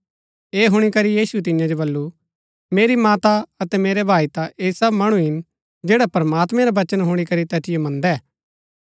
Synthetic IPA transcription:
eːɦʊɽ̃ikɐɾijiːsuet̪̬ɪjãd͡ʒobɐlːu | meːɾimaːt̪aɐt̪ɛmeːɾebʱaːit̪aʔeːsɐbmɐɽ̃uɦɪn | d͡ʒeːɽapɾɐmaːt̪mɛ̃ɾabɐt͡ʃənɦʊɽ̃ikɐɾit̪ɛːt̪ʰɪjomɐ̃nd̪ɛː

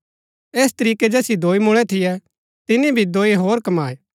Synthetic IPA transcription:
eːst̪ɐɾiːkɛd͡ʒɛːsjid̪oːimʊɽ̃ɛt̪ʰɪjɛ | t̪ɪnibʱid̪oːiɦoːɾkɐmaːe

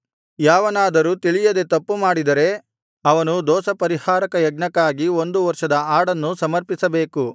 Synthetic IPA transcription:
jaːʋɐnaːd̪ɐɾuːt̪iɭijɐd̪et̪ɐpːumaːɽid̪ɐɾe̞ | ɐʋɐnud̪ɔːsɐpɐɾihaːɾɐkɐjɐɡ̚ɳɐkːaːɡio̞nd̪uʋɐɾʂɐd̪ɐaːɽɐnːusɐmɐɾpisɐbe̞ːku

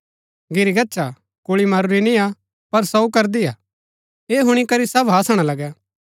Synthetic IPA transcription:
ɡɪɾiɡɐtːʃa | koɭimɐɾʊɾinĩa | pɐɾsɐukɐɾd̪iaː | eːɦʊɽ̃ikɐɾisɐbɦaːsəɽ̃alɐɡɛ

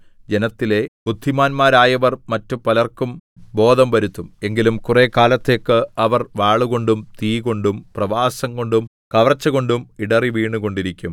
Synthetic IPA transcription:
d͡ʑe̞nɐt̪ːile̞bud̪ʱːimaːnmaːɾaːjɐʋɐrmɐtːupɐlɐrkumbo̞ːd̪ʱɐmʋɐɾut̪ːume̞ŋɡilumkureːkaːlɐt̪ːe̞ːkːɨɐʋɐrʋaːɭuɣo̞ɳɖumt̪iːko̞ɳɖumprɐʋaːsɐŋko̞ɳɖum | kɐʋɐrt͡ɕːɐɣo̞ɳɖumiɽɐriʋiːɳuɣo̞ɳɖiɾikʲːum

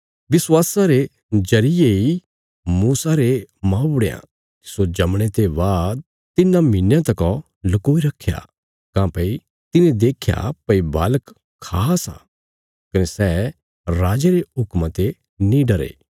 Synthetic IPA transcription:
bɪswaːsaɾe | d͡ʒɐɾɪjei | muːsaɾemãːʊɽeã̰ | k̪i̥sod͡ʒɐmɽ̃et̪ebaːd̪̚ | t̪ɪnãmɪnjãt̪ɐkɔ | lɐkoːiɾɐkʰːja̰ | kãːpɐi | t̪ɪnẽd̪eːkʰja̰pɐiba̰ːləkʰː | aːsã̰ | kɐnesɛː | ɾaːd͡ʒeɾeɦʊkmãt̪e | nĩɖɐɾḛː

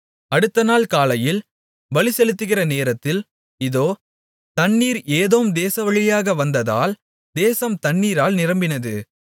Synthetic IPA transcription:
ɐɽɯt̪ːɐnaːlkaːlɐjɪl | ʋɐɭɪsɛlɯt̪ːɯɣɪrɐneːɾɐt̪ːɪl | ɪðoː | t̪ɐɳːiːɾeːðoːmd̪eːsɐʋɐɻɪjaːɣɐʋɐnd̪ɐða̰ːl | d̪eːsɐmt̪ɐɳːiːɾaːlnɪɾɐmbɪnɐðɯ

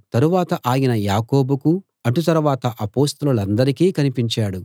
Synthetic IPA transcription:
t̪ɐɾuʋaːt̪ɐʔaːjinɐjaːko̞ːbuku | ɐʈut̪ɐɾuʋaːt̪ɐʔɐpoːst̪ɐlulɐnd̪ɐɾikiːkɐnipiɲt͡ʃaːɽu

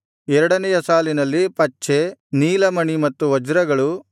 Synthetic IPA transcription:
ɛɾɐɽɐnɛjɐsaːlinɐlːipɐt͡ʃːeniːlɐmɐɳimɐt̪ːuʋɐd͡ʒɾɐɡɐɭu

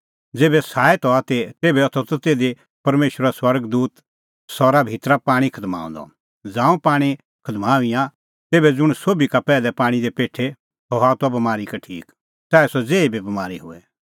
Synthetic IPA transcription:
d͡zeːbɛsaːɛt̪ɔat̪et̪eːbɛɔt̪ʰɔt̪ɔt̪eːd̪e | pɐɾmeːʃwəɾaswɐɾɡd̪uːt̪ | sɔɾabʱit̪ɾapaːɽ̃ikʰɐd̪ma̰ːṵ̃nd̪ɔ̰ | d͡zãːũpaːɽ̃i | kʰɐd̪maːʋĩjã | t̪eːbɛd͡zʊɽ̃soːbikapɛːlɛpaːɽ̃id̪epeːʈʰːe | ɦɔɦaːt̪abɐmaːɾikɐʈʰḭːk | saːɛsɔd͡zeːibʱibɐmaːɾiɦʊ̰ɛ

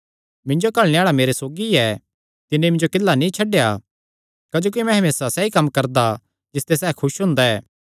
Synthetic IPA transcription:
mɪ̃ɲd͡ʒokɐɭñeaːɭameːɾesoːɡiɛ | t̪ɪnẽmɪ̃ɲd͡ʒokɪlːanĩt͡ʃʰɐɖeja | kɐd͡ʒoːkimɛ̃ɦɐmeːsasɛikɐmːkɐɾd̪a | d͡ʒɪst̪esɛːkʰʊʃɦʊ̃ːnd̪aɛː

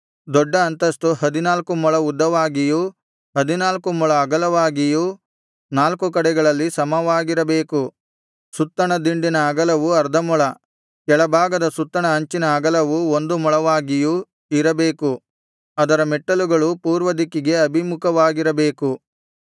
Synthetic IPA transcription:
d̪ɔɖːɐːnt̪ɐst̪uhɐd̪inaːlkumɔɭɐud̪ːɐʋaːɡiju | ɦɐd̪inaːlkumɔɭɐːɡɐlɐʋaːɡiju | naːlkukɐɽɛɡɐɭɐlːisɐmɐʋaːɡiɾɐbe̞ːku | sut̪ːɐɳɐd̪iɳɖinɐːɡɐlɐʋuɐɾd̪ʱɐmɔɭɐ | kɛɭɐbʱaːɡɐd̪ɐsut̪ːɐɳɐɐɲt͡ʃinɐːɡɐlɐʋuond̪umɔɭɐʋaːɡiju | iɾɐbeːku | ɐd̪ɐɾɐmɛʈːɐluɡɐɭupuːɾʋɐd̪ikːiɡe̞ɐbʱimukʰɐʋaːɡiɾɐbe̞ːku

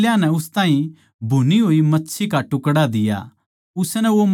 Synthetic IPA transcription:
ljãnɛʊst̪aːĩ | bʱuniɦoːimɐtːʃʰikaʈʊkɽad̪ɪja̰ | ʊsnɛʋom

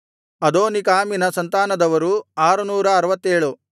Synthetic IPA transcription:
ɐd̪oːnikaːminɐsɐnt̪aːnɐd̪ɐʋɐɾuaːɾunuːɾɐːɾɐʋɐt̪ːeːɭu

